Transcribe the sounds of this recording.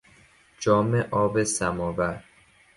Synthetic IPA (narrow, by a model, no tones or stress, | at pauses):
d͡ʒɒːmeʔɒːbesæmɒːvæɾ